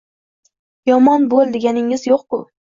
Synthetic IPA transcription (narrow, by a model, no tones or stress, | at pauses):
jɒmɒnbolˠd̪eɡʲanɪŋɪzjoqkʊ